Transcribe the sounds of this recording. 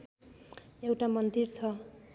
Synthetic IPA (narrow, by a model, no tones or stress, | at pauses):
ewʈamʌnd̪irt͡sʰʌ